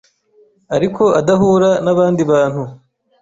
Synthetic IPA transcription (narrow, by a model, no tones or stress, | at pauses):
aɾikʰo̞adaɦuːɾanaβaːndiβaːn̥hu